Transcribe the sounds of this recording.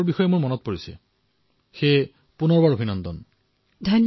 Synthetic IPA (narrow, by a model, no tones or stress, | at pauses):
ɹbixɔjemuɹmɔnɔt̚poɹisɛ̰ | xe | punɔɹbaɹobʱinɔnd̪ɔn | dʱajn